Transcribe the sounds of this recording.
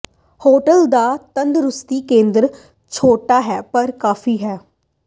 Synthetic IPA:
hoːʈəld̪aːt̪ənd̪ɾʊst̪iːkẽːnd̪ɾ | t͡ʃʰoːʈaːɦɛːpəɾkaːfiːɦɛː

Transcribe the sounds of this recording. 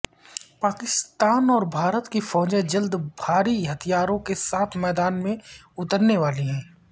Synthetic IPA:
paːkɪst̪aːnɔːɾbʱaːɾət̪kifɔːd͡ʒẽd͡ʒəld̪bʱaːɾiɦɐt̪ʰijaːɾõkesaːt̪ʰmɛːd̪aːnmẽ | ʊt̪əɾneʋaːliɦɛ̃ː

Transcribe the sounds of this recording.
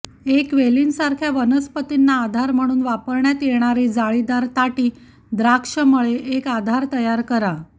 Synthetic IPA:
ekʋeliːnsaɾkʰjaʋənəspət̪inːaːd̪ʱaɾm̤əɽ̃uːnʋapəɾɳjat̪jeɽ̃aɾiːd͡zaɭid̪aɾt̪aʈiː | d̪ɾakʂəməɭeʔekad̪ʱaɾt̪əjaɾkəɾa

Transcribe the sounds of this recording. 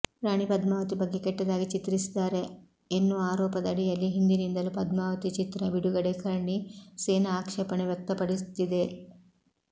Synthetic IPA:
ɾaːɳipɐd̪maːʋɐt̪ibɐɡːe̞kɛʈːɐd̪aːɡit͡ʃit̪ɾisid̪aːɾe̞ː | nːuaːɾɔːpɐd̪ɐɽijɐlːiɦind̪inind̪ɐlupɐd̪maːʋɐt̪it͡ʃit̪ɾɐbiɽuɡɐɽekɐɾɳiseːnɐaːkʂɐpɐɳeʋjɐk̚t̪ɐpɐɽit̪id̪e̞

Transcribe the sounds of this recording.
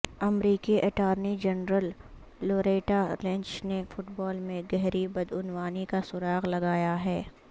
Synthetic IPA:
ɐmɾiːkiʔɐʈaːɾnid͡ʒɐnɾəlː | oːɾeːʈalɛ̃ɲt͡ʃnefʊʈbɔːlmẽɡɛɦɾibɐd̪ʊnwaːnikasʊɾaːɣlɐɡaːjaɦɛː

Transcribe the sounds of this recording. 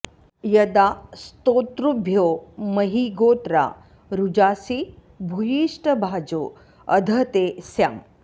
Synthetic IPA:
jɐd̪ast̪oːt̪ɾubʱjoːmɐɦiɡoːt̪ɾa̰ | ɾud͡ʒaːsi | bʱujiːʂʈɐbʱaːd͡ʒoː | ɐd̪ʱɐt̪esjaːm

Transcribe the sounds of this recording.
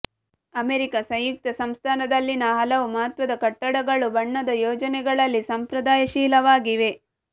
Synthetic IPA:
ɐmeɾikɐsɐ̃jjuk̚t̪ɐsɐmst̪ʰaːnɐd̪ɐlːinɐɦɐlɐʋumɐɦɐt̪ʋɐd̪ɐkɐʈːɐɽɐɡɐɭubɐɳːɐd̪ɐjoːd͡ʒɐnɛɡɐɭɐlːisɐmpɾɐd̪aːjɐʃiːlɐʋaːɡiʋe̞

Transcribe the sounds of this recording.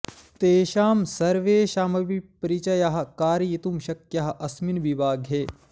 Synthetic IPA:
t̪eːʃaːmsɐɾʋeːʃaːmɐʋipɐɾit͡ʃɐjaɦɐ̆kaːɾijit̪umʃɐkjɐɦɐ̆ʔɐsminbibaːɡʱɦeː

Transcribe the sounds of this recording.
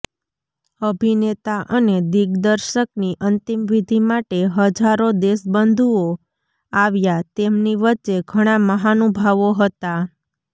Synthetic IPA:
əbʱinet̪aʔəned̪iɡd̪əɾʃəkniʔənt̪imʋid̪ʱimaʈeɦəd͡ʒaɾod̪esbənd̪ʱuo | aʋjat̪emniʋətːt͡ʃeɡʱəɽ̃aməɦanubʱaʋoɦət̪a

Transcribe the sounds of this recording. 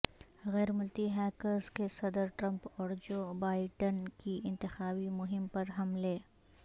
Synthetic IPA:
ɣɛːɾmʊlt̪iɦɛːkəzkesɐd̪əɾʈɾɐ̃mpɔːɾd͡ʒoːbaːɪɖənkiɪ̃nt̪ɪxaːbimʊɦɪmpɐɾɦɐmleː

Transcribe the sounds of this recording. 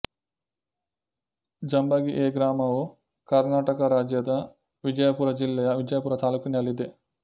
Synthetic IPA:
d͡ʒɐmbɐɡiʔeːɡɾaːmɐʋu | kɐɾnaːʈɐkɐɾaːd͡ʒjɐd̪ɐ | ʋid͡ʒɐjɐpuːɾɐd͡ʒilːɛjɐʋid͡ʒɐjɐpuːɾɐt̪aːluːkiniɐlːid̪e

